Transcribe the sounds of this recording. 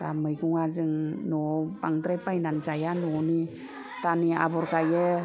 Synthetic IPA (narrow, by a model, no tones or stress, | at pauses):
taməjɡuŋazɯŋnɔbaŋtɾepajnand͡ʒajanɔni | tania̰bɔɾkajə